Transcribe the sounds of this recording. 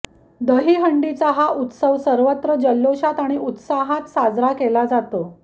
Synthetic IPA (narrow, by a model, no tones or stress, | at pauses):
d̪əɦiːɦəɳɖit͡saɦaʔut̪səʋsəɾʋət̪ɾəd͡ʑəlːoɕat̪aɽ̃iʔut̪saɦat̪sad͡zɾakelad͡zat̪o